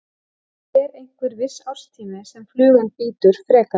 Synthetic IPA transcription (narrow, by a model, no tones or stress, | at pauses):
ɛɾejŋ̥kvʏɾvɪsawr̥st̪ʰiːmɪsɛmflʏːɣʏnpiːt̪ʏɾ̥fɾɛːka